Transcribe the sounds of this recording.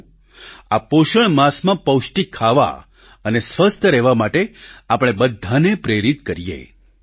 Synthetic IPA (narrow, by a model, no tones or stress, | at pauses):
apoʃəɳmasmãpəwʃʈikʰːaʋa̰ | ənesʋəst̪ʰəɾɛʋamaʈeapɽ̃ebəd̪ʱːanepɾeɾit̪kəɾijḛ